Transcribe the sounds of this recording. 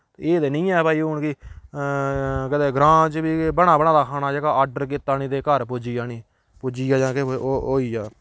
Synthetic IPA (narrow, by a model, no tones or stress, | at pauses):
eːd̪eːnĩːɛːpaːiːʊɳki | kəd̪eːɡɾãːt͡ʃbiːbəɽaːbəɽãːd̪aːkʰaːnaːd͡ʒeːɡaːʔaːɾɖəɾkiːt̪ːaːnĩːd̪eːkəɾpod͡ʒiːjaːniː | pʊd͡ʒiːaːd͡ʒãːkːɦoːiːaː